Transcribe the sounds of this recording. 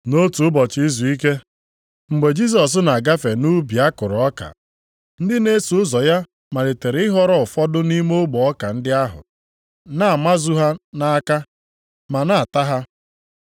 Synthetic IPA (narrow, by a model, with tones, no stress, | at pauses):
no˦tu˨ʊ˦bɔ˨t͡ʃɪ˨˦i˦zu˨i˦ke˦ | ŋ͡m̩˨ɡ͡be˨d͡ʒi˦s̬ɔ˨s̬na˨ɡa˦fe˨nu˦bi˨a˦kʊ˨ɾɔ˦ka̰˨ | n̩˦dɪ˦ne˦su˨ʊ˦zɔ˨ja˦ | ma˨le˨te˨ɾe˨˦ɪ˦ɦɔ˦ɾɔ˦ʊ˨fɔ˦dʊ˦ni˦mo˦ɡ͡bɔ˨ɔ˦ka˨n̩˦dɪ˦a˦ɦʊ̰˨ | na˦˨a˨ma˦zu˦ɦa˦na˦a˦ka˦ | ma˨na˦˨a˨ta˦ɦa˦